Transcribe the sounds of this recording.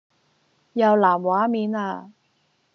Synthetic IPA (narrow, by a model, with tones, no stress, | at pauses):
jɐ˨˧wlaː˨˩mwaː˨˥miː˨˥naː˧